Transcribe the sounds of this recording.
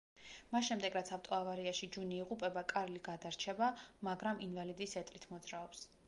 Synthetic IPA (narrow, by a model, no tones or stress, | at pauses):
masʃɛmd̪ɛɡɾat̪sʰavt̪ʼɔavaɾiaʃid͡ʒuniːʁupʼɛbakʼaɾliɡad̪aɾt͡ʃʰɛbamaɡɾaminvalid̪isɛt̪ʼlit̪ʰmɔd̪zɾaɔps